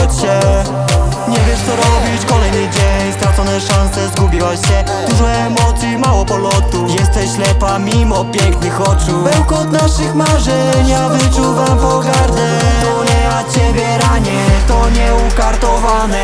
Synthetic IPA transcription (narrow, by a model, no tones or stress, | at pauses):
t͡ɕɛ | ɲɛvʲjɛʂt̪sɔɾɔbʲit͡ɕkɔlɛjnɘd͡ʑeɲst̪ɾat̪sɔnɛʂansɛzɡubʲiwaɕɕɛ | d̪̥uʐmɛːmɔt̪sʲjimawɔpɔlɔt̪ujɛst̪ɛɕlɛpamʲimɔpʲjɛŋknɘxɔt͡ʂubɛwkɔd̪naʂɘxmaʐɛ | ɲavɨt͡ʂuvampɔɡaɾd̪ɛ | ɔɲɛat͡ɕɛbʲjɛɾaɲɛt̪ɔɲɛukaɾt̪ɔvanɛ